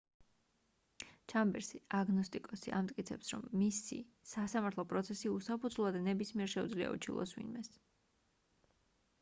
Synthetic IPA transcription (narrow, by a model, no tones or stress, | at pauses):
t͡ʃʰambɛɾsiaɡnɔst̪ʼikʼɔsia̰mt̪ʼkʼit̪sʰɛpsɾɔ̰mːisḭsasamaɾt̪ʰlˠɔpʼɾɔt̪sʰɛsiusapʰud̪zlˠad̪nɛbismiɛɾʃɛṵd̪zlia̰ṵt͡ʃʰḭlˠɔ̰swḭnmɛs